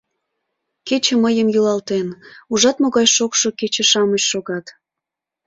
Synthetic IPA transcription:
ket͡ɕə̆məjəmjulɑlt̪enuʒɑt̪moɣɑjʃokʃoket͡ɕə̆ʃɑməɕʃoɣɑt̪

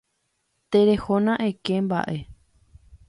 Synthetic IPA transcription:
t̪eɾe̞honãʔekemba̰ʔe̞

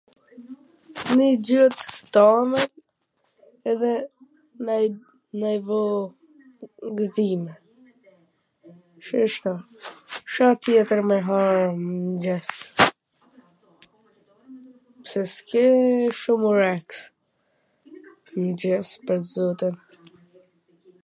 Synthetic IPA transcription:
nid͡ʑɔt̪t̪amɛn | ɛðɛ | naj | najvɔ | ɡzimɛ | ʃəʃt̪a | ʃat̪jɛt̪əɾmɛɦaɾnd͡ʑɛs | psɛskɛʃumuɾɛks | md͡ʑɛspəɾzɔt̪in

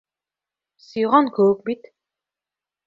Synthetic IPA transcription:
siʁɔ̃nkoːk̚bit̪

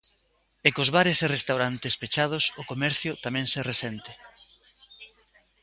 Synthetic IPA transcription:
ekozβaɾɪsɪrest̪awɾant̪espet͡ʃað̞ʊsʊkomɛɾθjʊt̪amɛ̃ŋseresɛnt̪ɪ

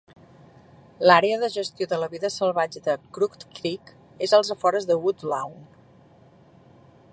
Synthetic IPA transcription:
laɾeəðəʒəst̪ioðələβiðəsəlˠβad͡ʒəðəkɾukt̪kɾik | ezəlˠzəfɔɾəzðəud̪lawn

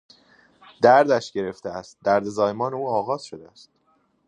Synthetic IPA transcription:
d̪̥æɾd̪æʃɟe̞ɾe̞ft̪eæst̪̚d̪æɾd̪e̞zɒːjemɒːneuːɒːɣɒːz̥ʃod̪eæst̪

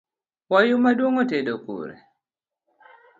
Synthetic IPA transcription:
wajʊmadwoŋɔtedokṵɾɛ̰

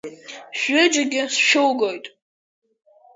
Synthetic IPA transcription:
ʃᶣʊd͡ʒaɡʲɪsʃowɡo̞jtʼ

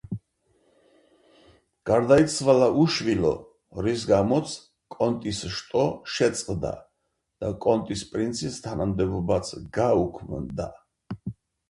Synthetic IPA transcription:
ɡ̥aɾd̪aisʰvalaʔuʃvilɔ̰ | ɾis̬ɡamɔt̪sʰ | kʼɔnt̪ʼisʃt̪ʼɔʃɛt̪sʼqʼd̪a̰ | d̪̥akʼɔnt̪ʼispʼɾint̪sʰist̪ʰanamd̪ɛbɔbat̪sʰɡaukʰmnd̪a

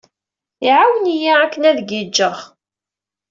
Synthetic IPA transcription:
iʕawənijiækːənæðɡid͡ʒːəʁ

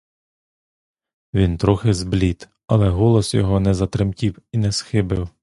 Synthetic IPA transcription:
ʋʲint̪ɾɔxɪzblʲit̪ | ɐlˠɛɦɔlˠɔsjɔ̰ɦɔnɛzɐt̪ɾɪmkʲiwinɛsxɪbɪw

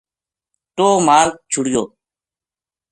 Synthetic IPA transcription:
t̪oːmaːɾk̚t͡ʃʰʊɽɪjo̰ː

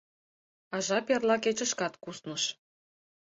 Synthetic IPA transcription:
ɑʒɑperlɑket͡ɕə̆ʃkɑt̪kusnəʃ

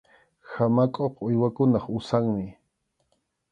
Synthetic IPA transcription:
hamakʼoqʊjwakʊnɑχʊsaŋmɪ

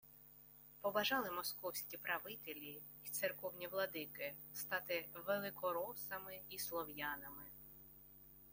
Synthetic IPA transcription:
pɔbɐʒɑlˠɪmɔskɔwsʲkʲipɾɐʋɪt̪elʲi | it̪sɪrkɔwnʲiʋlˠɔd̪ɪkɪst̪ɑt̪ɪʋelˠɪkɔɾɔsɐmɪislˠɔwjɑnɐmɪ

